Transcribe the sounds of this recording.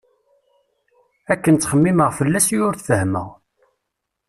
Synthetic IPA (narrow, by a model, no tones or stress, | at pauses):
ækːənt͡s̪ːχəmːiməʁfəlːæsjʊɾθfəhmə̰ʁ